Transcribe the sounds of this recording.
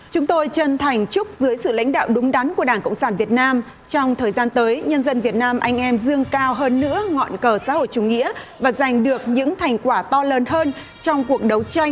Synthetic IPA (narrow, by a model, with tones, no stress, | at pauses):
t͡ɕʊ˨˦ŋ͡mt̪o˧jt͡ɕə˧nt̪ʰa˨˩jŋ̟t͡ɕʊ˦˥k͡p̚zɨ˨˦jsɨ̰˧˨la̰˧˥jŋ̟ɗa̰ː˧˨wɗʊ˨˦ŋ͡mɗa˨˦nku˧˩əɗaː˧˩ŋkə̰˧˨wŋ͡msaː˧˩nvi˨˩ət̚naː˧m | t͡ɕɔ˧wŋ͡mt̪ʰəː˨˩jzaː˧nt̪əː˨˦jɲə˧nzə˧nvi˨˩ət̚naː˧mʔa˧jŋ̟ʔɛ˧mzɨ˧əŋkaː˧wɦəː˧nːɨ̰˧˥əŋɔ̰˧˨nkəː˧˩sa̰ː˧˥ho̰˧˨jt͡ɕʊ˨˧˩ŋ͡mŋḭ˧˥əvaː˨˩za˨˩jŋ̟ɗɨ˨˩ək̚ɲɨ̰˧˥ŋt̪ʰa˨˩jŋ̟kwaː˧˩t̪ɔ˧lə˨˩nɦəː˧n | t͡ɕɔ˧wŋ͡mku˨˩ək̚ɗə˨˦wt͡ɕa˧jŋ̟